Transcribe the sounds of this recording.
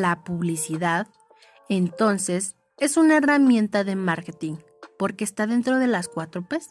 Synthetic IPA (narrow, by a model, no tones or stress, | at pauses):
lapuβlisiðað | e̞nt̪o̞nse̞s | e̞sunae̞ramjẽ̞nt̪aðe̞maɾket̪iŋ | po̞ɾke̞ːst̪aðe̞nt̪ɾo̞ð̞e̞laskwat̪ɾopes